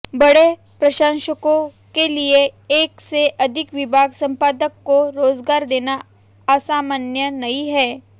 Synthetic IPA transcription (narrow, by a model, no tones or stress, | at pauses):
bɐɽe | pɾɐʃãnʃəkõ | kelieeːkseʔɐd̪ʱɪkʋɪbʱaːɡsɐ̃mpaːd̪əkːoɾoːzɡaːɾd̪eːna | aːsaːmənjənɐiɦɛː